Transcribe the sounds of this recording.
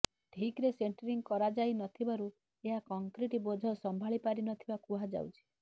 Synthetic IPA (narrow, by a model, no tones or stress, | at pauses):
ʈʰikɾeseɳʈɔɾiŋɡkɔɾad͡ʒajnɔt̪ʰibaɾu | eɦakɔŋkɾiʈibod͡ʒʱɔsɔmbʱaɭipaɾinɔt̪ʰibakuɦad͡ʒa̰wt͡ʃʰi̥